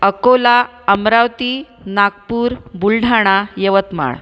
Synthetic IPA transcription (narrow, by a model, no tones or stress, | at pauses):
əkola | əmɾawt̪i | naɡpuːɾbulɖʱaɽ̃ajəʋət̪ma̰ɭ